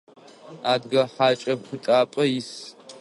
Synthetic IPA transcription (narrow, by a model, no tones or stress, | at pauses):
aːdɡɐħaːt͡ʃʼɐxʷʊtʼaːpʼɐjɪs